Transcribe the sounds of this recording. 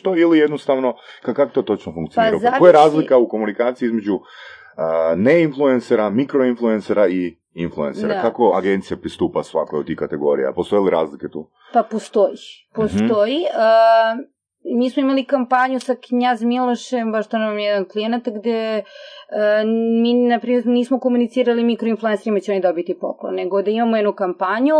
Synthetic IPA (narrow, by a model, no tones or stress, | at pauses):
t̪oilijed̪nost̪aʋnokakakot̪oːt̪ot͡ʃnofuŋkt̪ianiɾaakojeɾaːzlikauko̞munikaːt̪siizme̞d͡ʑu | əneinfluenseɾamikɾoinflˠuenseɾai | influenseɾakakoaɡe̞nt̪sijapɾist̪uːpasʋa̰kojot̪t̪ːihkat̪eɡo̞ɾḭja̰post̪o̞jiliɾa̰ːzlike̞t̪ṵː | papost̪ojipost̪oiə | miːsmoimalikampaɲusakɲazmilˠoʃembaʃt̪onʋamjɛd̪anklijenat̪ɡd̪e | minapɾiːmeɾniːsmokomunit̪siːɾalimikɾoinflˠuenseɾimat͡ɕeo̞nid̪obit̪ipo̰klo̰neɡod̪aimamojɛd̪nukampaɲu